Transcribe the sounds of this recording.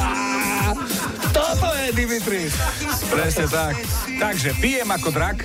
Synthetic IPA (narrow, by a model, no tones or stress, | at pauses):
t̪ɔpoɛd̪imit̪ɾis | pɾɛsɐt̪akt̪akʒɛpiɛmakod̪ɾak